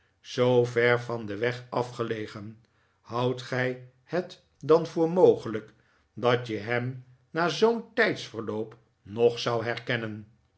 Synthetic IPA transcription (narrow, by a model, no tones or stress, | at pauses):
z̥owvɛɹvɑndəʋɛχɑfχəlejχən | hɑwtχɛj | hət | dɑnvʊːɹmowχələk | dɑtjəɦɛm | naːzowntɛjtsfəɹlowp | nɔχsɑwɦɛrkɛnən